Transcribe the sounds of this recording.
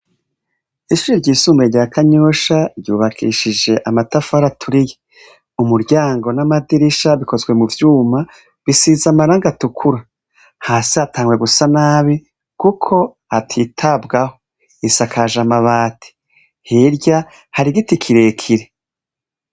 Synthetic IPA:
iʃuɾiɾɟiːsuːmbeɾɟaːkʰaɲoʃaɾjuːβakʰiʃid͡ʒe̞ʔamatafaɾatʰuɾije | umuɾɟaːŋɡo̞namadiɾiʃaβiko̞zɡwe̞muvjuːma | βisiːzamaɾaːŋɡatukʰuɾa | haːsiatʰaːŋɡwe̞ɡusanaːβi | kukʰo̞ | hatʰiːtʰabɡaho | isakʰaʒamaβaːtʰi̥ | hiɾɟa | haɾiɡitikʰiɾe̞ːkʰiɾe

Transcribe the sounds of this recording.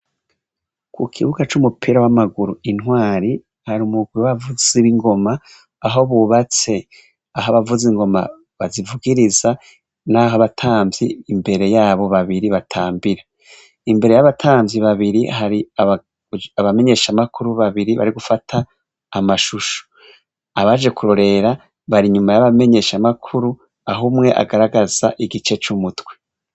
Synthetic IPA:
kʰukʰiβuɡat͡ʃumupʰiːɾawamaɡuɾuinɦwaːɾi | haɾumuɡwiwaβavuz̥iɾiŋɡo̞maː | ɦo̞βuβat͡se̞ | aɦoβavuziŋɡo̞ma̰ | βazivuɡiɾiza | naɦoβatʰaːmviːmbe̞ɾe̞jaːβo̞βaβiɾiβatʰaːmbiɾa | imbe̞ɾe̞jaβatʰaːmvjiβaβiɾiɦaɾiaβ | aβame̞ɲe̞ʃamakʰuɾuβaβiɾiβa̰ɾiɡufatʰaː | maʃuʃo̥ | aβaʒe̞kuɾo̞ɾe̞ɾa | βaɾiɲumajaβame̞ɲe̞ʃamakʰuɾu | aɦumŋe̞ʔa̰ɡaɾaɡaz̥a̰ʔiɡit͡ʃe̞t͡ʃumutwe̥

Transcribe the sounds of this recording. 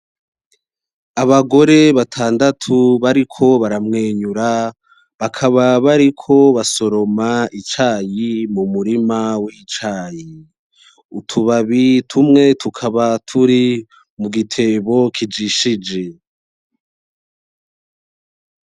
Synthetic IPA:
aβaɡo̞ɾe̞βatʰaːndatʰuβaɾikʰo̞βaɾamŋeːɲuɾa | βakʰaβaβaɾikʰo̞βaso̞ɾo̞mait͡ʃaːjimumuɾimawit͡ʃaːji | utʰuβaβitʰumŋe̞tʰukʰaβatʰuɾi | muɡitʰe̞βo̞kʰid͡ʒiʃid͡ʒe̞

